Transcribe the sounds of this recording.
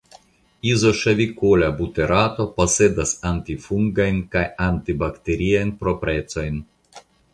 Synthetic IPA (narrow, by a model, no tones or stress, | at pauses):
izo̞ʃevʲikolabut̪eɾʔat̪o̞pose̞d̪asant̪ifuŋɡajnkajant̪ibakt̪eɾiajnpɾopɾet͡so̞jn